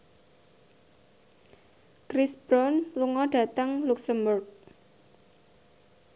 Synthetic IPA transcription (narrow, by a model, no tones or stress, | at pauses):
kɾisb̥ɾɔnluŋɔd̥a̤t̪əŋluksəmbʊrk̚